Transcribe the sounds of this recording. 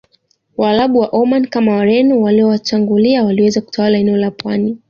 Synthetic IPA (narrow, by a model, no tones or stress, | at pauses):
walaɓuwaʔɔmankamawaɾɛnuwaliɔwat͡ʃaŋɡuliawaliwɛzaku̥tʰawalaɛnɛɔlapwani